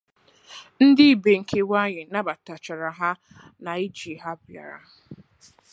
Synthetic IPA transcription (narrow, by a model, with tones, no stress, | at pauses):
n̩˦dɪ˦˨be˨ŋ̩˨kʰe˦wa˦ɲɪ˨na˦ba˨ta˨t͡ʃa˨ɾa˨ɦa˦ | na˨i˦d͡ʒi˨ɦa˦bja̰˨ɾa̰˨